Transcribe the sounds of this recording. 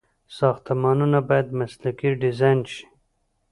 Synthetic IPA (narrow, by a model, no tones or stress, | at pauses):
sɑxt̪amɑnunabɑjad̪maslakiɖɪzɑjnʃi̥